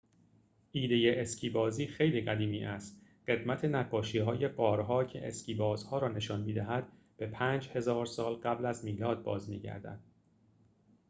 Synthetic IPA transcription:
ʔiːd̪e̞je̞ʔescʰiːbɒːziːxejliːɡæd̪iːmiːʔæst̪ɢ̥e̞d̪mæt̪ʰe̞næɡːɒːʃiːɦɒːje̞ɡɒːɾɦɒːcʰe̞̰ʔḛsciːbɒːzhɒːɾɒːne̞ʃɒːnmiːd̪æɦæd̪̥ | b̥e̞pʰæːnd͡ʒhe̞zɒːɾsɒːlɢæblæzmiːlɒːd̪̚bɒ̰ːzmḭːɟæ̰ɾd̪æ̰d̪̥

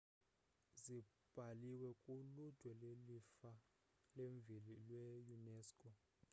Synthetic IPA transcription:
zi | b̥ʱaliwɛkʼulud̥ʱwɛlelifa | leɱvʱililwɛjunɛːskʼɔ

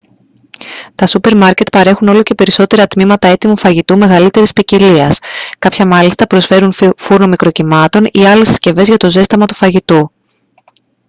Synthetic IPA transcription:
t̪ɐsupe̞ɾmɐɾce̞t̪pɐɾe̞xuno̞lo̞ce̞pe̞ɾiso̞t̪e̞ɾɐt̪mimɐt̪ɐe̞t̪imufɐʝit̪ume̞ɣɐlit̪e̞ɾispiciliɐskɐpçɐmɐlist̪ɐpɾo̞sfe̞ɾunfuɾno̞mikɾo̞cimɐt̪o̞niɐlessce̞ve̞zʝɐt̪o̞ze̞st̪imɐt̪ufɐʝit̪u

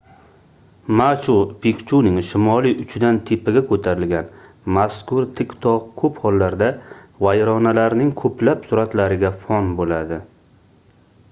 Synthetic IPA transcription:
mat͡ʃʰupʰikʲt͡ʃʰunɪŋʃɪmɒlijʔʊt͡ʃʰd̪ant̪ʰepʰɪɡʲakʰɵt̪ʰaɾɪlɡʲan | maskʊɾt̪ʰɪkʲt̪ʰɒqkʰɵphɒlˠːaɾd̪avajɾɒnalaɾnɪŋkʰɵpʰlapsʊɾat̪laɾɪɡʲafɒnbolad̪ɪ

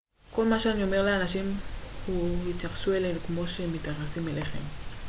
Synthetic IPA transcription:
ko̞lmaʃeanio̞me̞ʁleanaʃimhuhit̪jaχʃuelenukmo̞ʃemit̪jaχesimeleχe̞̰m

